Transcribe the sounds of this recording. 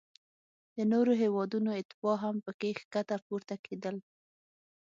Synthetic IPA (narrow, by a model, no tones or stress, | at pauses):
d̪̥ənoɾoɦewɑd̪unoɪt̪ɪbɑɦampəkexkat̪apuɾt̪akʰed̪əl